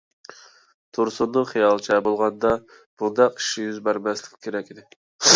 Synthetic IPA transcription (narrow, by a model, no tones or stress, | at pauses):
t̪ʰuɾsunːɨχijɑlˠt͡ʃʰɛbolˠʁɑnd̪ɑ | b̥und̪ɑqi̥ʃːijyzbæɾmɛslɪkʲkʲʰːeɾɛkʲid̪ɪ